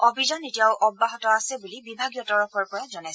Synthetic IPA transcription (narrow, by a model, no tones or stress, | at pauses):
ɔbʱizanetijaʊʔɔbːaɦɔtɔasɛbulibibʱaɡjɔtɔɹɔpʰɔɹpɔjazɔnas